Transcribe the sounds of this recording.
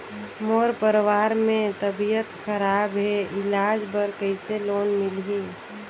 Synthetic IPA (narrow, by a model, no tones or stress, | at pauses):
moːɾpəɾwaːɾmẽt̪əbijət̪xəɾaːbɦɛɪlaːd͡ʒbəɾkəɪseloːnmɪlɦiː